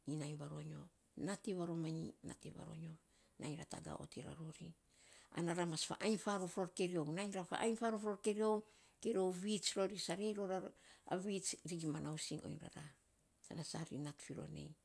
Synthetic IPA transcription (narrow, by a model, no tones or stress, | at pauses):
inajnβaɾo̞ɲo̞ | natiβaɾo̞maɲina̰tiβa̰ɾo̞̰ɲo̞ | najnɾata̰ɡa̰ʔo̰tʰiɾa̰ɾoɾi | a̰naɾamasfa̰ʔajnfaɾofɾoɾkeɾio̞wnajɲɾafa̰ʔajnfaɾofɾo̞ɾkeɾio̞w | keɾio̞wβit͡ʃɾoɾisaɾejɾo̞ɾaa̰βit͡ʃɾiɡimanawsiŋo̰jnɾa̰ɾa | sa̰nasaɾḭnatfiɾo̞̰nḛj